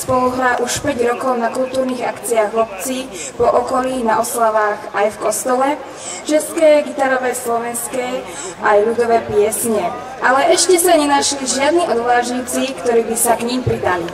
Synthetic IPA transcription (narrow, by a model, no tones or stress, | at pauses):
spɔluɦɾaʔuʃpɛɟɾɔkɔʊnakult̪uːɾniːɣakt͡siaɣɔp̚t͡si | pɔʔɔkɔliːnaʔɔslaʋaːxajfkɔst̪ɔlɛ | t͡ʃɛskɛjɡit̪aɾɔʋɛjslɔʋɛnskɛj | ʔajlud̪ɔʋɛːpɪɛsɲɛ | ʔalɛʔɛʃcɛsaɲɛnaʃliʒɪad̪niʔɔd̪ʋaːʒɲiːt͡sikt̪ɔɾiːbisakɲimpɾid̪ali